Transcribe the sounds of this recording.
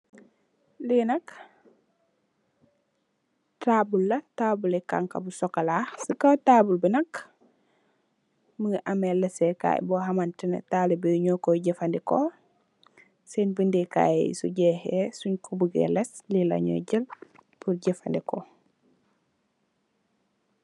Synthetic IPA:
linɐk | taːbulːɐtaːbuleka̰ŋka̰busɔkalasikataːbulbinɐk | məʔamelɛsɛka̰j̰bɔɦamantinɛ̰talɛbiɲɔkoɟɛfandɛko | sɛnbindika̰j̰sṵɟɛhesuɲkubuɡɛ̰lɛslila̰ɲɔ̰ɟəlpuɾɟɛfa̰ndɛkɔ

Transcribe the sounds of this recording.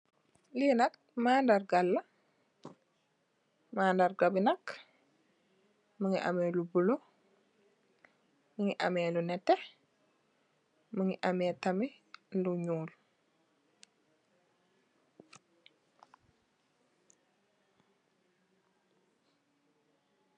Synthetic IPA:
linɐk̚maːndarɡalːɐ | maːndarɡabinɐk | məŋiʔa̰mɛːlubulo | məŋiʔamɛːlunɛtːɛ | məŋiʔamɛːtɐminduɲuːl

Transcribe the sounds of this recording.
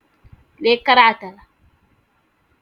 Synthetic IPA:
lekːaɾaat̪ala

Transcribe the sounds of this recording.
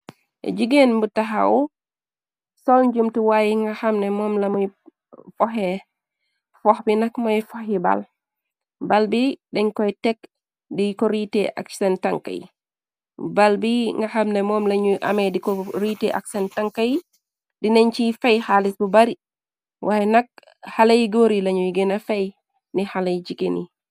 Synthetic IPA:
ʔɛ̰d͡ʒiɡɛnmbutːaɦa̰wɔ | sɔld͡ʒumtuwajiŋɡahamnɛmɔːmlamɔj | fɔɦɛ | fɔhbinakmɔjfɔhiba̰l | balbiɗɛɲkɔjtɛk | dikɔɾitɛʔa̰ksɛntaŋka̰j | balbiŋɡaxamnɛmɔːmlaɲujʔa̰mɛdikɔɾitɛʔa̰ksɛntaŋkaj | dinɛɲt͡ʃifajhalisbubaɾi | wʔaɛnak̚ | halajɡoɾilaɲujɡɛnafaj | nihalajd͡ʒikenḭ

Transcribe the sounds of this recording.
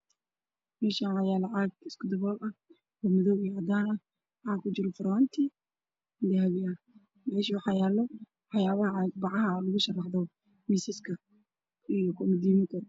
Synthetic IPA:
mɛːʃaːnʕɑjaːlɑʕɑːɡɪskʰʊd̪ɐβɔːlɐ | wɔmʊðɔwijɐd̪aːnɐ | ħɑːkʰʊt͡ʃɪɾɔfʊɾɔːnt̪ʰi | d̪ɛɦɐβɪa | mɛːʃiːwħɑjaːlːɔ | ħɑjaːβɐʕɑːɡ̚bɑʕɑɦɐlʊɣʊʃɐrːɑħdɔ | miːsɪskʰɐ | ijɔkʰɔmɪd̪iːmɪk̪ʰɐ

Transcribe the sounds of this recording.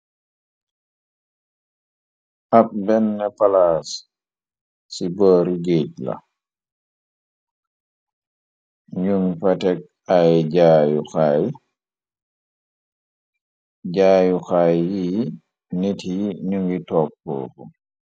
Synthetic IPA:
ʔap̚bɛnːɛpalaːs | siboːɾiɡec̚la̰ | ɲuŋfatɛk̚ | ajɟaːjuxaj | ɟaːjuxajːi | nitjiɲuŋɡitɔːkːɔ̰ːkɔ

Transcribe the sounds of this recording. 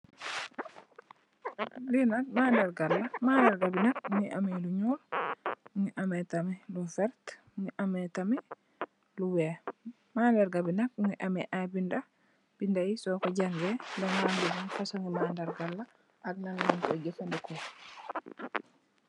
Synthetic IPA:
linak̚mandaɾɡalːamandaɾɡabinakŋiʔa̰mɛluɲuːɾ | ŋiʔamɛtamɛlufɛɾt | ŋiʔamɛtamɛ | luwɛ | mandaɾɡabinak̚ŋiʔamɛʔabinda | b̥indajisɔkɔɟaŋɡɛdaŋmandibunfasɔŋɡimandaɾɡalːa | aɡnalminkɔd͡ʒɛfandɛkɔ

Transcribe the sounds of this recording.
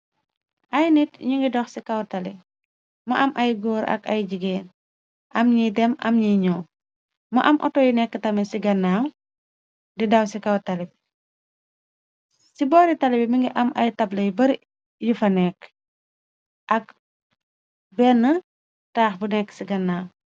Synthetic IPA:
ʔɐjnitɲuŋɡidɔxsikɐwtɐli | mɐʔɐmʔɐjɡoːɾɐ̰kɐ̰jɟiɡɛːn | ʔɐmɲidɛmɐ̰mɲiɲɔː | mɐʔɐmʔɔ̰tɔjinɛkːətɐmisiɡɐnːaːw | didɐwsikɐwtɐlip̚ | sibɔːɾitɐlɛbimiŋɡiʔɐmʔɐjtɐblɐjbɐɾ | jufɐnɛkː | ʔɐk̚ | bɛnːə | taːxbunɛkːsiɡɐnːaːw

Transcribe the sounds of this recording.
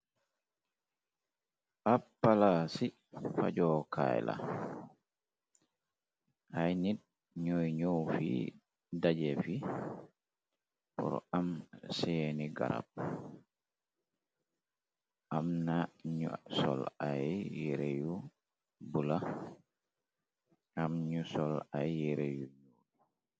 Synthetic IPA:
ʔapːalasi | fa̰d͡ʒɔːkʰa̰jla̰ | ʔajnid̚ | ɲojɲowfḭ | dad͡ʒefi | pɔ̰ɾɔ̰amsɛeniɡa̰ɾa̰b̚ | ʔamnaɲsɔ̰lajjjɛɾeju | bula | ʔamɲusɔlajjɛɾejuɲodi

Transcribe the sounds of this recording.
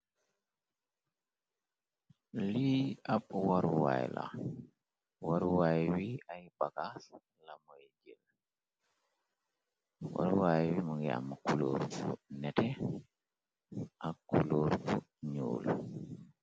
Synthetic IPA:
liaɓwaɾwa̰jla̰ | waɾuwajwiajbaɡas | lamoed͡ʒil | wa̰ɾwajwimaŋɡɛa̰mːakuloɾbunɛtɛ | ʔakːuloːɾfu | ɲo̰ːl

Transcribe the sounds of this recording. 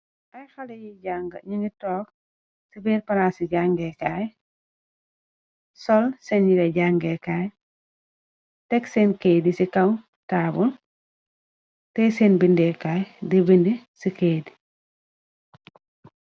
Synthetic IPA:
ʔɐjxɐlɛjiɟaːŋɡɐ̰ɲiŋɡitɔːk̚ | sibiːɾpɐɾaːsiɟaŋɡɛkaj | sɔlsɛnɲiɾɛɟaŋɡɛkaːj | tɛksɛnkeːdisikɐw | taːbul | tɛsɛːnbindɛkaːjdibindisikeːdi

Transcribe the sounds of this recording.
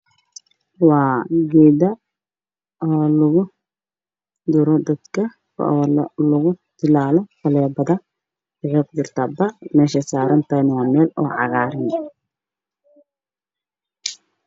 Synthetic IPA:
wɑːɡɛːd̪ɐ | ɔːlʊɣʊ | d̪ʊɾɔd̪ɐd̪kʰɐ | lʊɣʊd̪̥ɪlaːlɔfɐlɛːbɐðɐ | ʕɔq̚d̪ɪrt̪ʰɐbɐmɛːʃɐsaːɾɐnt̪ʰɐnɪwaːmɛːlɔːʕɑ̰ɣaːɾɪnɛ

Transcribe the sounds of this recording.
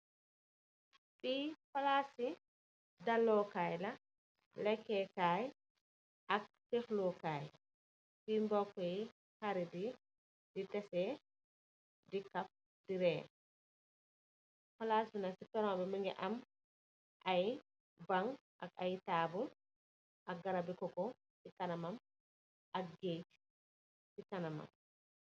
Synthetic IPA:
ɓifalaːsi | dalːɔkaːjlɐ | lɛkːɛkaːj | ʔɐk̚tɛxlɔkaːj | simbɔkːɛj | kaɾidi | ditɛsɛ | dikɐf̚ | diɾɛː | fɐlaːsbinasitɔɾɔmabɛmiŋɡɛ̰ʔɐm | ʔaj | baŋ | ʔɐkajtaːbul | ʔɐk̚ɡɐɾabikɔkɔ | sikɐnɐmɐm | ʔɐk̚ɡejt | sikanɐmɐ̰m

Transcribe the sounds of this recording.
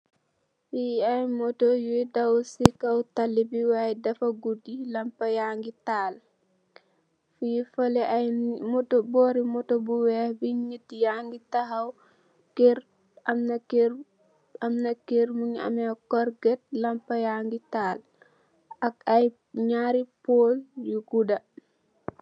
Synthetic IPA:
fijiɐjmɔtɔjuidɐwsikɐwtalːibiwaːjɛdɐfɐɡudilɐmpɐjaŋɡitaːl | fujifɐlɛajmɔtɔbɔːɾimɔtɔbuwɛhbiɲit̚ːjaŋɡitɐɦɐw | kiɾ | ɐmnɐki | ɐmnɐkiɾmuɲɐ̰mɛkɔɾɡɛt̚lɐmpɐjaŋɡitaːl | ɐkɐj | ɲaɾipoːljuɡudɐ

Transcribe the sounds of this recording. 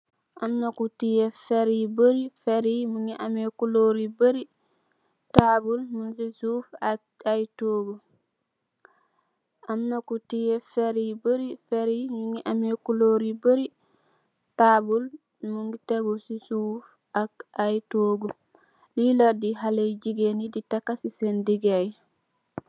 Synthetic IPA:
ʔamnakutijɛfeɾibəɾifeɾimuŋiʔamekuloɾibəɾi | tabulmunsisuːf | ajtoːɡu | ʔamnakutijɛfeɾibəɾifeɾimiŋiʔamekuloɾibəɾi | tabul | muŋɡiteɡusisuf | akajtoːɡu | liladiɦalejd͡ʒiɡeniditakːasisendiɡaj

